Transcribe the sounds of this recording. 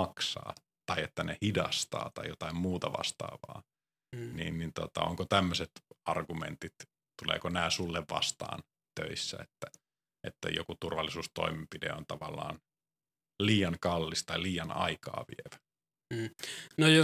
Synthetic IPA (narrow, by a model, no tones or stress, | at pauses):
ɑksɑ̰ː | t̪ɑiet̪ːænehidɑst̪ɑ̰ːt̪ɑjjot̪ɑimmuːt̪ɑʋɑ̰st̪ɑ̰ːʋɑ̰ː | nḭːnːint̪ot̪ɑ̰o̰ŋkot̪æmːøset̪ɑrɡumḛnt̪it̪ | t̪ulḛːkonæːsulːeʋʋɑ̰st̪ɑ̰ːn | t̪ø̰isːæ̰et̪ːæ | ʔet̪ːæ̰jo̰kut̪urʋɑlːisuːst̪o̰imempidḛont̪ɑʋɑlːɑ̰ːn | liːjɑŋkɑlːist̪ɑiliːjɑnɑ̰ikɑ̰ːʋḭeʋæ | nojo